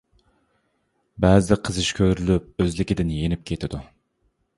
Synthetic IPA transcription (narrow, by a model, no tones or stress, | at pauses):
bæzd̪ɪqʰəzɨʃkʲʰøɾylyp̚øzlɪkʲɪd̪ɪnjenɪp̚kʲʰet̪ʰɪd̪u